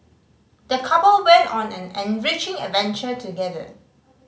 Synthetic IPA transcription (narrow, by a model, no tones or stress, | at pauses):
d̥əkʰapəlwɛ̃ntɔ̃nɛ̃nɛ̃nɹɪt͡ʃɪ̃ŋə̰vɛ̃nt͡ʃətuɡɛdə̰